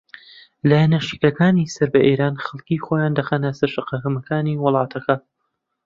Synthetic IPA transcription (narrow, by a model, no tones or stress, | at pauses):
laːjɐnɐʃikɐkaːniːsɐɾbɐʔeːɾaːnxɐlˠkixoːjaːnd̪ɐxaːnɐsɐɾʃɨqɐkɐmɐkʰaːniːwʊlˠɑːt̪ʰɐkɐ